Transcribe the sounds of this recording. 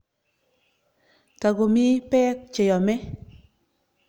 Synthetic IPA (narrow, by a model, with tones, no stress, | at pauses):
ta˨ɡo˨mi˦pɛ˦k̚t͡ʃe˨jɔ˨mɛ˦